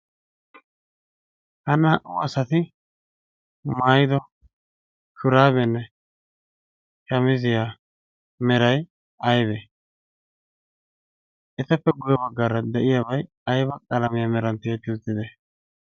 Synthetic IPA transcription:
hɐnːɐhɐʔʊɐsɐt̪ɪ | maːjɪd̪ɔ | kʊɾaːbɛnːɛ | kɐmɪzɪja | mɛɾɐj | ɐjbɛ | ʔɛt̪ɐpːɛɡʊjɔbɐɡːɐɾɐd̪ɛʔɪjabɐj | ɐjbɐkʼɐlɐmɪjamɛɾɐnt̪eːt̪ːɪʊt̪ːɪd̪ɛ

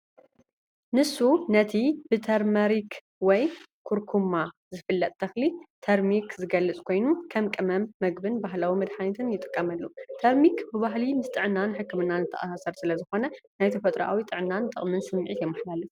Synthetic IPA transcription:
nɨsːunɐt̪ʰib̥ɨt̪ʰɐɾmɐɾik | wɔj | kʰuɾkʰumːazɨfɨlːɐt̪ʼt̪ʰɐxlit̪ʰɐɾmikzɨɡɐlːɨt͡sʼkʰo̞jnukʰɐmkʼɨmɐmːɐɡbɨnbaɦlawimɐd̪ħanɐt̪ʰɨnjɪt̪ʼɨ̥kʼːɐmɐlːut̪ʰɐɾmikbɨβaɦlimɨst̪ʼɨʕɨnːanħɨkːɨmɨnːanzɨt̪ʰɐ̰ʔʼasasɐɾsɨlɐzɨxo̞nɐnajt̪ʰɐfɐt̪ʼɾʔa̰wit̪ʼɨʕɨnːant̪ʼɨ̰χʼmɨnsɨmːʕit̪jɛmːɐħlalɨ

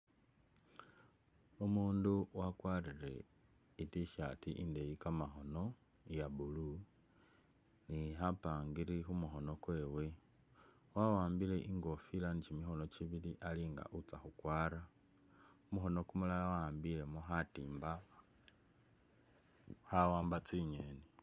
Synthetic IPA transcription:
umuːnduwakwarire̞̰ | itiʃatiʔinde̞jikamaxo̞no̞ | jaβulu | niɦapaːŋɡiɾixumuxo̞no̞kweːwe̞ | wawaːmbile̞ʔiŋɡo̞filanit͡ʃimixo̞no̞t͡ʃiβiliʔaliŋɡa̰ʔut͡saxukwaːɾa | umuxo̞no̞kumulawaːmbile̞moxatiːmba | hawaːmbat͡siɲeni

